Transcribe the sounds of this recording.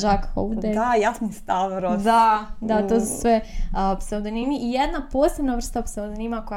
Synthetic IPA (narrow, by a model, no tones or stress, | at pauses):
ʒakḁo̰d̪ed̪ajasnist̪aʋɾod̪ad̪at̪osu̥sʋeopseod̪onimiʔijed̪napoːsebnaʋr̩st̪aopsed̪onimako